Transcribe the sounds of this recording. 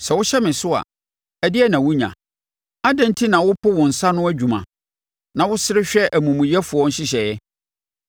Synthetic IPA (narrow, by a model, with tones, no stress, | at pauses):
sɛ˨wʊ˦ɕɛ˦mɪ̃˨sʊ˦a̰˨ | ɛ˨dɪ˦ɛ˦nã˨wʊ˦ɲã̰˨ | a˦dã˦n˦tʰi˦nã˨wʊ˦pʰʊ˦wɔ̃˨n̩˨sa˦nʊ̃˦æ˦d͡ʑᶣu˨mã̰˨ | nã˨wʊ˦sɪ˦ɾɪ˦ɕᶣɛ˦ʔæ˨mũ˨mũ˨jɛ˦fʊ˨ɔ̃˦n̩˦ɕɪ˦ɕɛ˨jɛ˦